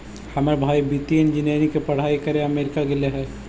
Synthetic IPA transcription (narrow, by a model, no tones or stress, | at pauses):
hɐməɾbʱaːibit̪iend͡ʒɪnjeːnikepɐɽ̤aːikɐɾẽɐmeːɾɪkakeleɦɛː